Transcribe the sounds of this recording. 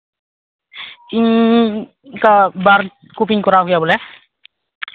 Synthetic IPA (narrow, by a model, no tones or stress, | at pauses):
iŋ | kabar | kupiŋkuɾaukjabolɛh